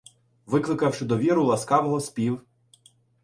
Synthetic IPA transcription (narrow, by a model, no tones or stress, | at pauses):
ʋɪklˠɪkɐwʃɪd̪ɔʋʲiɾʊlˠɐskɑʋɔɦɔspʲiw